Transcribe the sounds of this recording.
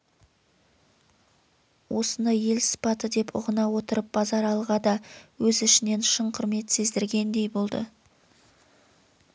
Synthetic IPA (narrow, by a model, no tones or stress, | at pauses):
wʔo̞sənəje̞lsə̥pɑt̪əd̪e̞pʰʊ̰ʁənɑwo̞t̪əɾəp̚b̥ɑzɑɾɑlˠʁɑd̪ɑwɵzɪʃɪne̞nʃəɴqʰʊɾme̞t̪se̞zd̪ɪɾɡʲe̞nd̪e̞jbolˠd̪ə̰